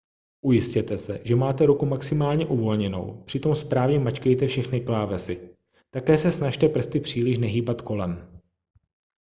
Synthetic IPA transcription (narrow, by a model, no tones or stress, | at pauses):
ʔujɪscɛt̪ɛsɛ̰ʒɛmaːt̪ɛɾukumaksɪmaːlɲɛʔuvo̞lɲɛno̞̰wpr̥ɪt̪o̞mspɾaːvɲɛmat͡ʃkɛjt̪ɛfʃɛxnɪklaːvɛsɪ | t̪akɛːsɛsnaʃt̪ɛpr̩st̪ɪpr̝̥iːlɪʃnɛɦiːbat̪ko̞lɛm